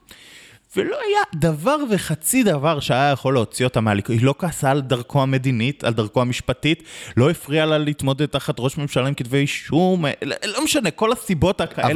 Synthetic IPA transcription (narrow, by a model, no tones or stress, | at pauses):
velo̞ajad̪avaʁve̞χat͡sid̪avaʁʃeajajaχo̞leot͡sio̞tamalikoilo̞kaːsaːld̪aʁkʰo̞ame̞dinitʰa̰ld̪aʁkoamiʃpatitlo̞efʁialalit̪mo̞d̪ed̚t̪aχat̪ʁo̞ʃme̞mʃalaimkidvejʃumlo̞meʃane̞ko̞lasibo̞takaʔe